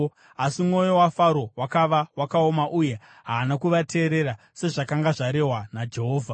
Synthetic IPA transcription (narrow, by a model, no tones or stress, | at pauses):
asimŋo̞jo̞wafaɾo̞wakaʋawakao̞maʔuje̞ | ɦaːnakuʋatʰe̞ːɾe̞ɾa | se̞ʐakaŋɡaʐaɾe̞ɦwanad͡ʒeɦoːvʱa